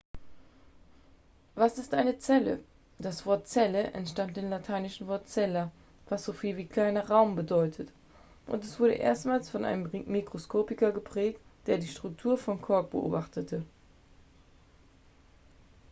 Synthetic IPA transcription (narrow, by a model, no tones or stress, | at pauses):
vasɪstʔaɪnət͡sɛlə̰ | d̥asv̥ɔɐtt͡sɛləʔɛ̰ntʃtant̚d̥eːmlatʰaɪnɪʃn̩vɔɐtt͡sɛlɐ | vasz̥ofiːlviːkl̥aɪnɐʁaʊmbədɔʏtʰət | ʔʊ̰ntɛsv̥ʊɐɾdə̰ʔḛːɐstmaːlsfɔnʔa̰ɪnəmmːikʁ̥oskʰoːpɪkɐɡəpʁ̥ɛːk̚td̥eːɐdiːʃtʁ̥ʊk̚tʰuːɐfɔnkʰɔɐk̚b̥əʔo̰ːbaχtətʰə